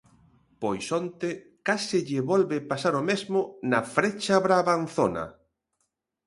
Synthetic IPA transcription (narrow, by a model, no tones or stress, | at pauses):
pojsɔnt̪ɪ | kasɪʎɪβɔlβepasaɾomezmʊnɐfɾet͡ʃaβɾaβanθonɐ̰